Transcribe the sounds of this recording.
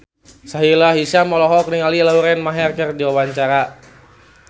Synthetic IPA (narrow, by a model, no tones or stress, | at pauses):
saɦilaɦisamɔlɔɦɔkniŋalilauɾɛnmaɦɛrkərdiwawaɲt͡ʃaɾa